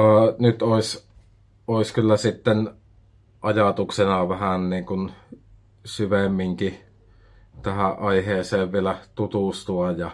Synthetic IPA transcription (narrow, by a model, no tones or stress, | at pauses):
nyt̪oˑis | ʔoˑiskylːæsit̪ːen | ʔɑjɑt̪uksenɑʋæhænniːŋkun | syʋemːiŋki | t̪æhæʔʔɑˑiheːseːʋʋielæt̪ut̪ust̪uɑjɑ